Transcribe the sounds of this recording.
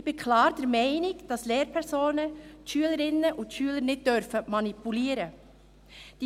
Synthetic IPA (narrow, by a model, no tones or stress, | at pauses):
ɪb̥ɪkʰlɑːɾdɛɾmɛɪnɪɡd̥ɑsleːɾpʰɛɾsoːnəʃyələɾɪnːəʔʊntʃyːələnɪt̚d̥øɾfəmɑnipuliːəɾə | d̥i